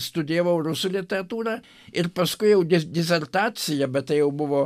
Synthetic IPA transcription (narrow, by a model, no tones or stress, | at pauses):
st̪ʊd̪ʲeːʋɐʊrʊsuːlʲɪt̪ʲɛɾɐt̪uːɾɑː | ɪrpɐskʊɪjɛʊd̪ʲɪd̪ʲɪsʲɛrt̪ɑːt͡sʲɪjɛbʲɛt̪̚t̪ɐɪjɛʊbʊʋoː